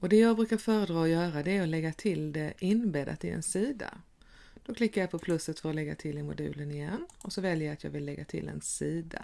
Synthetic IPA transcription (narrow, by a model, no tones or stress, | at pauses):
ɔd̪ɛjɑːɡ̚bɾʉ̟ːkaɾfœːɾəd̪ɾɑːɔjœːɾad̪ɛæɾɔlɛɡːat̪ʰɪld̪ɛʔɪnbeːd̪a̰t̪ɪ̰ɛ̰nsiːd̪a̰ | d̪̥ɔkʰlɪkːaɾjapʰɔpʰlɵsːət̪fœɾɔlɛɡːa̰t̪ʰɪlːɪɾmʊ̰d̪ʉ̟̰ːlənɪjɛnɔsɔvɛljəjat̪jɑ̰ːɡvɪlːɛɡːat̪ʰɪ̰lɛ̰nsiːd̪a̰